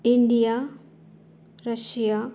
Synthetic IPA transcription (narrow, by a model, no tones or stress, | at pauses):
iɳɖija | ɾəʃija